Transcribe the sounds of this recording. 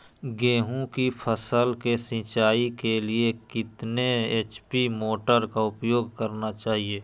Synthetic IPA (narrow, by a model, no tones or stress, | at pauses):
ɡẽːɦũkipʰəsəlkesɪ̃t͡ʃaːikeliekɪt̪neeːt͡ʃpimoːʈəɾkaʊpjoːɡ̚kəɾnat͡ʃaːɦieː